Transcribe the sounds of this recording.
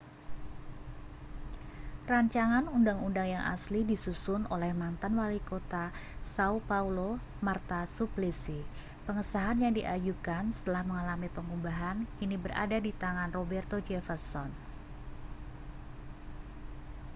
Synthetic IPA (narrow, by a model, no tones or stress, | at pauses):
raɲt͡ʃaŋanundaŋundaŋjaŋʔa̰slidisusʊnolɛhmant̪anwalikot̪asaupaulo | mart̪asuplisi | pəŋəsaɦanjaŋdiʔajukansə̥t̪əlahməŋalamipəŋubaɦankinibəra̰dadit̪aŋanrobɛrt̪od͡ʒɛfərsɔn